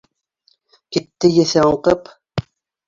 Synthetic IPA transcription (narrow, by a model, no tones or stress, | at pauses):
kit̪ːɘjeθæoqɤp